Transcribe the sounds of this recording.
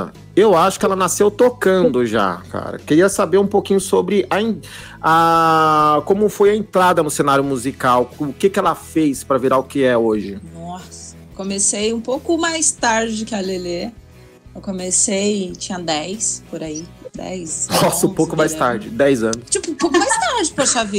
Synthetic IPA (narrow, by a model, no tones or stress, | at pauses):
ewaʃʊ̥kɪɛlɐnasewt̪okɐ̃d̪ʊʒa̰ka̰ɾɐ̰keɾiɐsabeɾũpokĩɲʊsobɾɪʔɐẽ | a | kõmʊfojɐẽnt̪ɾad̪ɐnʊsenaɾjʊmuzikawʊkɪkɪɛlɐfejspɾɐviɾaʊkɪɛoʒɪnɔsɐ | komesejũpowkʊmajst̪aɾd͡ʒɪkɪalele | ewkõmesejt͡ʃĩɲɐd̪ɛjspoɾaid̪ɛ̰jsnɔsɐũpowkʊmajst̪aɾd͡ʒɪd̪ɛjzɐ̃nʊst͡ʃipʊpowkʊmajst̪aɾd͡ʒɪpoʃavi